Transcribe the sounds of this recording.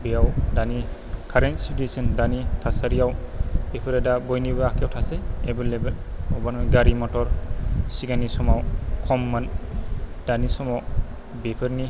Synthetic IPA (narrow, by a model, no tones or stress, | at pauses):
bejawdanikʰaɾensitisɯndanitʰasaɾijawbepʰɯɾadabɔjnibɯakʰjawtʰasejebelebel | ɔbanɔjɡaɾimɔtɔɾsiɡanisɔmawkʰɔmːan | d̥anisɔmɔ | bepʰɯɾni